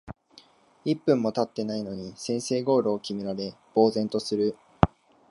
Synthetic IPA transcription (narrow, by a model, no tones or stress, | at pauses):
ipːɯ̟̃mːo̞t̪at̪ːe̞naino̞ɲ̟isẽ̞ɰ̃se̞ːɡo̞ːɾo̞ːkʲimʲiɾaɾe̞ | b̥o̞ːzẽ̞nt̪o̞sɨɾɯ̟